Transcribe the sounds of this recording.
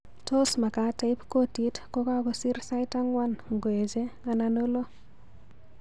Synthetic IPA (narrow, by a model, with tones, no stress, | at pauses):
to˦sma˨ka˨˦ta˦jpko˦ti˦tko˦ka˦ko˦si˦ɾsa˦jta˦ŋwa˦nŋɡo˨e˨d͡ʒe˦a˨nano˦lo˦